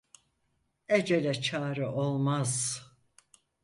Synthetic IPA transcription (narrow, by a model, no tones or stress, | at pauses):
ed͡ʒelʲɛt͡ʃʰaːɾɯʔo̞lˠmaz̥